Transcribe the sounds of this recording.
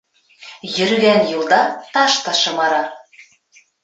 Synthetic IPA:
jɘ̆ɾɣænjuld̪ɑt̪ɑʃt̪ɑʃɤ̆mɑɾɑ

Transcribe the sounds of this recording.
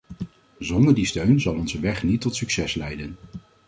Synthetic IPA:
zɔndəɹdistøɥnzɑlˠɔnzəʋɛχnitːɔtsyksɛslɛjdən

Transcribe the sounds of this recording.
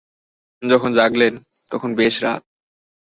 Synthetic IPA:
d͡ʑɔkʰond͡ʑaɡlen | t̪ɔkʰonbeʃɾa̰t̪̚

